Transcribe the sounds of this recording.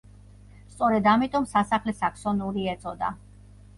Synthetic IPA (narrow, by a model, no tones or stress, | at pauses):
st̪sʼɔɾɛd̪amit̪ʼɔmsasaχlɛsakʰsɔnuɾiɛt̪sʼɔd̪a̰